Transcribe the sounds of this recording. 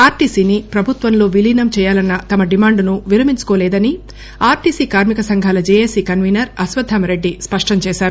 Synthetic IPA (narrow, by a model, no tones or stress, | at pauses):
aːɾʈiːsiːnipɾɐbʱut̪ʋɐnlo̞ːʋilinɐmt͡ʃɛːjaːlɐnːɐt̪ɐmɐɖimaːɳɖnuʋiɾɐmiɲt͡ʃu̥ko̞ːlɛːd̪ɐni | aːɾʈiːsiːkaːɾmikɐsɐŋɡʱaːlɐd͡ʒeːjesikɐnʋiːnɐɾɐsʋɐd̪ʱːaːmɐɾe̞ɖːispɐʂʈɐmt͡ʃɛːʃaːɾu